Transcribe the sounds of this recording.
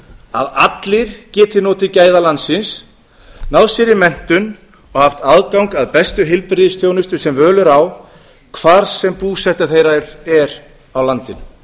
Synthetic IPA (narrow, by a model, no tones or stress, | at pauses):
a̰ðat̪lɪɾ̥cɛːt̪ɪnɔːt̪ɪcaːjðalant̪sɪns | nawsɛɾɪmɛn̥t̪ʏn | ɔɣhaft̪aðkawŋkaðpɛst̪ʏɦɪlpɾɪðɪst̪ʰjoːwnʏst̪ʏ̥sɛmvœːlʏɾaw | kʰvaːɾsɛmpuːsɛht̪aθejɾaɾɛɾ | awlant̪ɪn